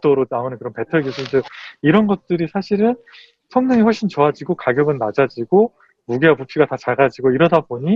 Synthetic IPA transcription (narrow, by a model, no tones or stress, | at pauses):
t͈oɾonaonɯnkɯɾʌnpe̞tʰʌɡjisʰʌd͡ʑʌiɾʌnɡʌt̚t͈ɯɾisʰaɕʰiɾɯn | sʰʌŋɲʌŋiɸwʌɭɕʰint͡ɕʌad͡ʑiɡokaɡjʌɡɯnːad͡ʑad͡ʑiɡo | muɡewapupʰiɡatat͡ɕaɭɡad͡ʑiɡoiɾʌdaboɲi